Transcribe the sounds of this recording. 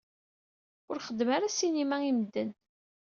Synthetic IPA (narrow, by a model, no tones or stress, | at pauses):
ʊɾχəd̪ːmaɾæsinimæimd̪ːən